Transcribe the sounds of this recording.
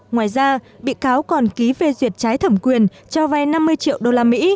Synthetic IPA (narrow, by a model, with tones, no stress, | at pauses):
ŋwaː˧˨˩jzaː˧ | ɓḭ˧˨kaː˨˦wkɔ˨˩nki˨˦ve˧˩zwi˨˩ət̚t͡ɕaː˨˦jt̪ʰə˧˩mkwi˨˩ənt͡ɕɔ˧va˧jna˧mːɨ˧əjt͡ɕḭ˧˨əwɗo˧laː˧mḭ˧˥